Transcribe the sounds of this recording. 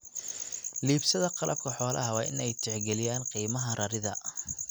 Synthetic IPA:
liːbsɐðɐqɑlʔɐ̰b̚kʰɐħɔːlɐ̰ɦɐwɑ̰ːʔɪ̰nɛjt̪ʰɪʕɡɛlɪjaːnqiːmɐɦɐrʔɐɾɪðɐ

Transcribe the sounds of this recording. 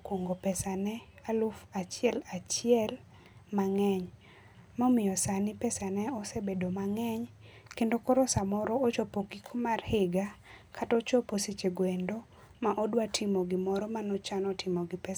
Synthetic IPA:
kwoŋɡopɛsanɛalufat͡ʃɪɛlat͡ʃɪɛl | maŋɛɲ | mɔmɪjɔsanɪpɛsanɛɔsebedomaŋɛɲkendokɔɾɔsamɔɾɔːt͡ʃɔpoɡikʰomarhɪɡakʰatɔt͡ʃɔposit͡ʃeɡwendo | maʔɔdwatʰɪmoɡɪmɔɾɔmanɔt͡ʃanɔtʰɪmoɡɪpɛ

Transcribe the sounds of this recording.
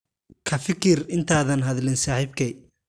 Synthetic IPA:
kʰɐfɪkʰɪrɪnt̪ʰaːðɐnɦɐðlɪnsaːħiːbkʰɛj

